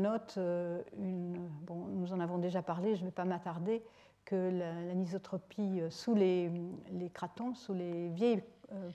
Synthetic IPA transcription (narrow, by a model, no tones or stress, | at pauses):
nɔt̪øynbɔ̃nuzɑ̃navɔ̃d̪eʒapaʁleʒəvɛpamat̪aʁd̪e | kəlalamizɔt̪χɔpʰiøsulelekχat̪ɔ̃sulevjɛj